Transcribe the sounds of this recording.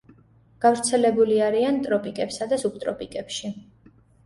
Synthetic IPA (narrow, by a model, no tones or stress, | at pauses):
ɡ̥avɾt̪sʰɛlɛbuliaɾiant̪ʼɾɔpʼikʼɛpsad̪asup̚t̪ʼɾɔpʼikʼɛpʃi